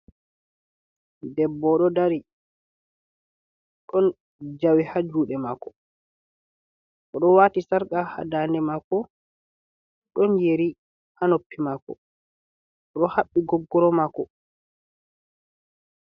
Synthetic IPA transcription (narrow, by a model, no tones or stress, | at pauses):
dɛbːɔɗɔdaɾi | ɗɔn | d͡ʒawihad͡ʒuːɗɛmakɔ | ʔɔɗɔwaːtisaɾkaha̰daːnɛmakːɔ | ɗɔnjeɾi | hanopːimakɔ̰ | ɗɔhaɓːiɡɔɡːɔɾɔmakːɔ